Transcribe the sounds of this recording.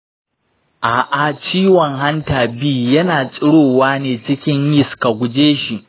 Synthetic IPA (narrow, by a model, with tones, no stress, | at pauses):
ʔaː˨ʔa˨t͡ʃiː˦wɔ˨ŋɦa˦ntaː˨biː˦jɐ˦naː˨t͡sʼɪ˦ɽoː˨waː˦neː˨t͡ʃɪ˦kʲɪ˦ɲjɪ˦˨ska˨ɡʷʊ˨d͡ʒeː˦ʃi˨ʔ